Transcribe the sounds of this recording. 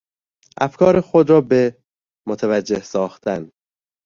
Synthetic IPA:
ʔæfkʰɒːɾexod̪ɾɒːbe | mot̪ʰævæd͡ʒːe̞hsɒːxt̪ʰæn

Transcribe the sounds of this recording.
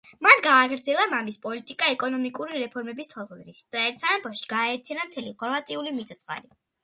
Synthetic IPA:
manɡaːɡɾd̪zɛlˠamamispʼɔlit̪ʼikʼaɛkʼɔnɔmikʼuɾiɾɛpʰɔɾmɛbist̪ʰɔlˠχzɾisd̪̥aɛɾt̪sʰanabɔʃi̥ɡ̥aɛɾt̪ʰjanamt̪ʰɛliʁɔɾvat̪ʼiulimit̪sʼat̪sʼχʼa̰li

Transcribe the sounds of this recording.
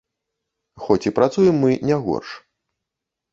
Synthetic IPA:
xɔt͡sʲipɾat̪sujɛmːɨnʲaɣɔ̰rʂ

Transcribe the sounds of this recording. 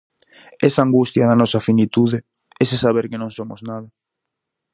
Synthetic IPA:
ɛsɐaŋɡust̪jɐðanɔsɐfinit̪uðɪ | ɛsesaβ̞eɾkɪnõŋsomo̰znað̞ɐ

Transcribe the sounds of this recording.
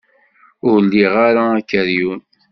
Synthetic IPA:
ʊɾlːiʁaɾaːkːəɾjun

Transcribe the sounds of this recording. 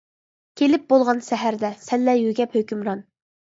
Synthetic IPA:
kʲʰelɪp̚bolˠʁɑnʃɛɦæɾd̪ɛsɛlːɛjyɡʲɛphøkʲymɾɑn

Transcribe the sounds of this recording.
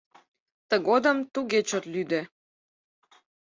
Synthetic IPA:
t̪əɣod̪əmt̪uɡet͡ɕot̪lyd̪e

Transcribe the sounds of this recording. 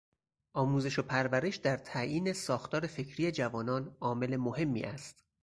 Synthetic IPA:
ʔɒːmuːze̞ʃopʰæɾvæɾeʃd̪æɾt̪ʰæʔiːnesɒːxt̪ʰɒːɾe̞fecʰɾiːed͡ʒævɒːnɒːnɒːme̞le̞mohe̞mːḭːʔæst̪

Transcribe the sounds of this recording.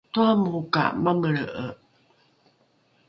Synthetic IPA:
tuamuka̰maməɭəʔə

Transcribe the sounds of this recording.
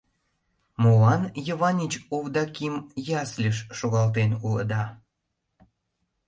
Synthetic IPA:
molɑnjəβɑnʲit͡ɕoβd̪ɑkimjɑslʲəʃʃoɣɑlt̪̬enulə̰d̪ɑ

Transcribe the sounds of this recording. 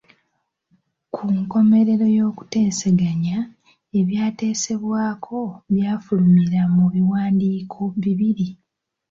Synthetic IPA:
kʰuŋko̞me̞ɾe̞ɾo̞jo̞ːku̥te̞ːse̞ɡaɲa | e̞βjaːte̞ːse̞βwaːkʰo̞βjaːfulumiɾamuβiwaːndiːkʰo̞βiβiɾi

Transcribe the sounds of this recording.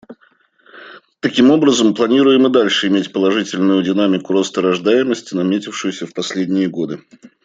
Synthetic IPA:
t̪ɐkʲimo̞bɾəzəmplˠɐnʲiɾʊjɪmɨd̪alʲʂɨɪmʲetʲpəlˠɐʐɨtʲɪlʲnʊjʊdʲɪn̪amʲɪkʊɾo̞st̪əɾɐʐd̪ajɪməsʲtʲɪnɐmʲetʲɪfʂʊjʊsʲəfpɐsʲlʲedʲnʲɪjəɡo̞d̪ɨ

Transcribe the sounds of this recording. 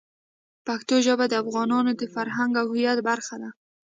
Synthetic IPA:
pakt̪oʒabad̪afɣɑnɔnod̪əfaɾɦaŋɡahujad̪baɾχad̪a

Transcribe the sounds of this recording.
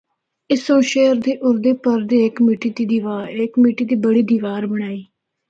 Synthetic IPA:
ɪsõːʃeːəɾd̪iːʔʊɾd̪eːpəɾd̪iːɪkmiːʈiːd̪iːd̪iːʋaːekmiːʈiːd̪iːbəɽiːd̪iːʋaːɾbəɽ̃aːiː

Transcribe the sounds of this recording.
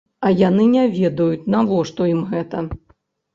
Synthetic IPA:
ɐjanɨnʲɛvʲɛd̪ɐjut͡sʲnavɔʂt̪ɔimɣɛt̪ɐ

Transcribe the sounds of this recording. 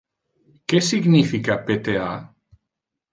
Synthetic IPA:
kesiɡnifikapet̪ea

